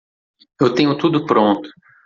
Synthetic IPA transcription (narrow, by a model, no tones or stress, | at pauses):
ewt̪ẽɲʊt̪ud̪ʊpɾõnt̪ʊ̥